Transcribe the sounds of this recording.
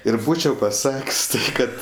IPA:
ɪr ˈbuːt͡ʃʲɛʊ pɐˈsɐkʲsʲ ˈkɐt

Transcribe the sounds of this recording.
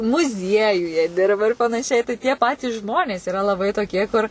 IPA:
mʊˈzʲiɛjʊjɛ ˈdʲɪrbɐ ɪr pɐnɐˈʃʲɛɪ tɐɪ tʲiɛ ˈpɑːtʲiːs ˈʒmoːnʲeːs iːˈrɐ lˠɐˈbɐɪ toːˈkʲiɛ kʊr

